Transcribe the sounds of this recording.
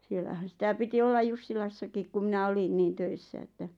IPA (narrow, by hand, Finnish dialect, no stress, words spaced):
sielːæhæn̞ sitæ piti olːɑj jusːilɑsːɑkik ku minæ olin niːn tøisːæ etːæ